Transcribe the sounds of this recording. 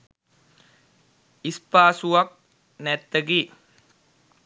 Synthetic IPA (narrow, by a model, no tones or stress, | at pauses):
ispaːsuʋak̚ | nɛt̪ːəɡiː